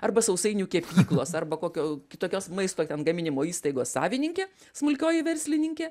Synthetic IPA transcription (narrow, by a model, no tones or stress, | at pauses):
ɐrbɐsɐʊsɐɪnʲukʲɛpʲiːklˠoːsɐrbɐkoːkʲoːkʲɪt̪oːkʲoːsmɐɪst̪oːt̪ʲɛnɡɐmʲɪnʲɪmoːiːst̪ɐɪɡoːssɑ̰ːʋʲɪnʲɪŋʲkʲeː | smʊlʲkʲoːjɛʋʲɛɾʲsʲlʲɪnʲɪŋʲkʲeː